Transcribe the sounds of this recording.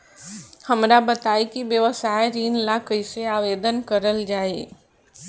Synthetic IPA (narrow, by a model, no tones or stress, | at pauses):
hɐmɾabət̪aːikiʋjəʋəsaːeɾiːnlakəiseaːʋeːd̪ənkəɾəld͡ʒaːe